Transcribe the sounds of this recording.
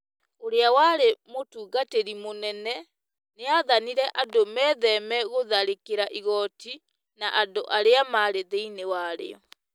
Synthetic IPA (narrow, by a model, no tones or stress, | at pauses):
oɾeawaɾemotuːɡateɾimonɛnɛ | neaðaniɾɛʔandomɛːðɛmɛɣoðaɾekeɾaʔiɣɔti | naʔadoʔaɾeamaɾeðeinewaɾḛɔ